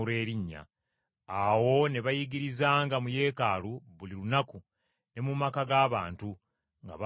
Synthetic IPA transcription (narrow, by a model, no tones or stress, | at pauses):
uɾe̞ːɾiɲːa̰ | awo̞ne̞βajiɡiɾizaːŋɡamuje̞ːkaluβulilunaku | ne̞mumakaɡaːβa̰ːntu | ŋɡa̰β